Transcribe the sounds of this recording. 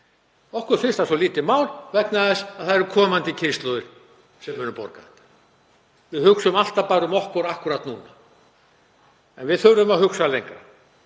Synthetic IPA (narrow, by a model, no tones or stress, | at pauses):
ɔhkʏɾfɪ̥st̪asɔliːt̪ɪmaːwlvɛknaðɛsaðθaðɛɾʏkʰɔːmant̪ɪcʰɪst̪lœðʏɾ̥ | sɛmːʏːnʏpɔ̰ɾkaðɛht̪ːḁ | vɪðhʏksʏmal̥t̪apaːɾʏmɔhkvɔɾahkʏɾat̪nuːna | ɛnvɪðθœɾʏʏmaðhʏksalejŋkɾa